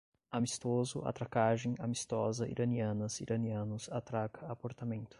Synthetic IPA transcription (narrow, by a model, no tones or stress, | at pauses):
amist̪ozʊʔa̰t̪ɾakaʒẽj̃amist̪ɔzɐḭɾʔɐniɐ̃nɐziɾʔɐniɐ̃nʊsat̪ɾakɐapoɾt̪amẽnt̪ʊ̥